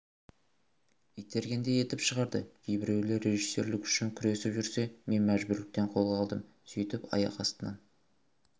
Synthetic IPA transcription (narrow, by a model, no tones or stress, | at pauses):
ijt̪ʰe̞ɾɡʲe̞nd̪e̞je̞t̪ɪpʃəʁɑɾd̪əɡ̥ʲʰejbɪɾe̞wlɪɾe̞ʒisːe̞̰ɾlɪkʏ̥ʃɪŋkʲʰʏɾe̞sɪpʒʏɾse̞me̞nmæʒbʊɾlɪk̚t̪e̞ɴqʰo̞lˠʁɑlˠd̪əm | sijt̪ɪpɑ̰jɑ̰qɑst̪ənə̰m